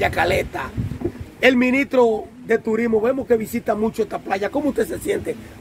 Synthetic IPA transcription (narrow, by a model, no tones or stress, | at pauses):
akalet̪a | e̞lmĩnist̪ɾo | ðe̞t̪uɾizmoβe̞mohke̞βisit̪amut͡ʃoest̪aplaʝako̞moust̪ese̞sje̞nt̪e